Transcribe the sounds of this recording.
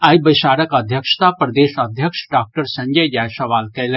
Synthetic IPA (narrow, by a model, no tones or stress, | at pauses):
aːjbɐjʃaːɾəkɐd̪ʱjəkʃt̪apɾɐd̪eːʃɐd̪ʱjəkʂɖaːk̚ʈəɾsɐ̃ɲd͡ʒəjd͡ʒaːjsɐʋaːlkɐlẽ